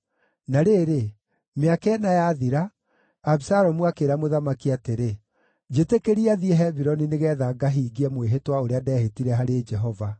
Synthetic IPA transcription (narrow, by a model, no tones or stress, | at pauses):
naɾeːɾe | meakɛnajaðiɾaː | bsaɾɔmwakeɾamoðamakiateɾe | d͡ʒetekeɾiaðiɛɦɛbiɾɔnineɣɛðaɡaɦiːɡiɛmweɦetwaoɾeadɛːhetiɾɛɦaɾed͡ʒɛɦɔva